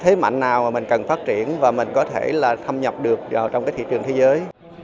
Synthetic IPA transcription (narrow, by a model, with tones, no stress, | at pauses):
t̪ʰe˨˦ma̰˧˨ŋ̟naː˨˩waː˨˩mï˨˩ŋ̟kə˨˩nfaː˦˥t̚t͡ɕi˧˩ənvaː˨˩mï˨˩ŋ̟kɔ˨˦t̪ʰe˧˩laː˨˩t̪ʰə˧mɲə˨˩p̚ɗɨ˨˩ək̚aː˨˩t͡ɕɔ˧wŋ͡mkaː˨˦jt̪ʰḭ˧˨t͡ɕɨ˨˩əŋt̪ʰe˨˦zəː˨˦j